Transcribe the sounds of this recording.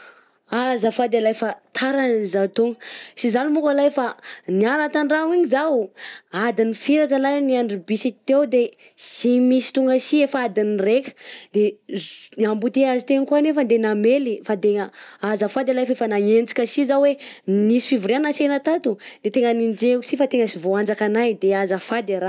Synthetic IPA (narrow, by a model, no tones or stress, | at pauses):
azafad̪alajfat̪ʰaɾanizat̪uŋəsizalumukalajfanialat̪aɳɖ͡ʐawiɲizawad̪inifiɾaʈ͡ʂəlajniaɳɖ͡ʐibisit̪ewd̪e | zimisi̥t̪uŋɡəsiefəad̪inirekʲə̥d̪e | ambut̪eazit̪eŋkuanefəd̪enamelifad̪eŋəazafad̪alajfefanaŋend͡zi̥kʲəsizawenisi̥fivuɾanasenat̪at̪ud̪̥et̪eŋənind͡ʒeksifat̪eŋəsivoand͡zakanajd̪eazafad̪eɾa